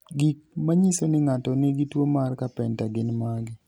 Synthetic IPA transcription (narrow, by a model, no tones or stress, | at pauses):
ɡik̚maɲisonɪŋatɔnɪɡitwomarkapɛntaɡɪnmaɡɪ